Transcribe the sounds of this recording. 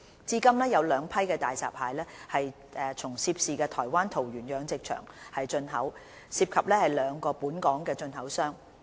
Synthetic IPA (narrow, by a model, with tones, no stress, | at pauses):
t͡siː˥kɐ˥mlɛː˥jɐ˨˧wlœː˨˧ŋpʰɐ˥jkɛː˧t̪aː˨jt͡sa̰ː˨˩p̚haː˨jlɛː˥hɐ˨j | ʔɛː˨t͡sʰʊ˨˩ŋsiː˧p̚siː˨kɛː˧t̪ʰɔː˨˩jwaː˥nt̪ʰo˨˩wjyː˨˩njœː˨˧ŋt͡sɪ˨k̚t͡ʃʰœ̰ː˨˩ŋhɐ˨jt͡ʃɵ˧nɦɐ̰˨˥w | siː˧p̚kʰɐ˨p̚lɛː˥hɐ˨˩jlœː˨˧ŋkɔː˧puː˨˥nkɔː˨˥ŋkɛː˧t͡ʃɵ˧nhɐ˨˥wsœː˥ŋ